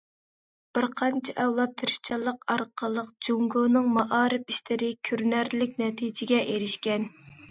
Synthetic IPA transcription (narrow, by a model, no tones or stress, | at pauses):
b̥ɪɾqʰɑnt͡ʃʰɛʔɛwlˠɑt̪ʰːɨɾʃt͡ʃʰɑlˠːəqɑɾqʰəlˠəqd͡ʒoŋɡonɨŋmɑʔɑːɾɨpiʃt̪ɪɾɪkʲʰøɾnæɾlɪk̚ʲnɛt̪ʰid͡ʒɪɡʲɛʔeɾɪʃkʲɛn